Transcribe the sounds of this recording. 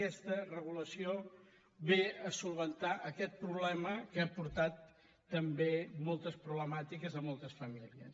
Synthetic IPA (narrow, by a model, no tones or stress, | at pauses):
ɛst̪ərəɣ̞uləsio | βeəsulˠβənt̪aʔəkɛt̪̚pɾuβ̞lɛməkapuɾt̪at̪ː | əmbemɔlˠt̪əspɾuβləmat̪ikəzəmɔlˠt̪əsfəmiliə̰s